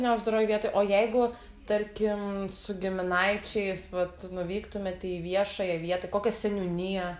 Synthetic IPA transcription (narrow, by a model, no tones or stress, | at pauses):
nʲɛʊʒd̪ɐɾoːjɪʋʲiɛt̪oːɪʔoːjɛɪɡʊ | t̪ɐɾʲkʲɪmsʊɡʲɪmʲɪnɐɪt͡ʃʲɛɪsʋɐt̪nʊʋʲiːkt̪ʊmʲɛt̪ʲiiʋʲiɛʃɐjɛʋʲiɛt̪ɐkoːkʲɛsʲɛnʲunʲijɛ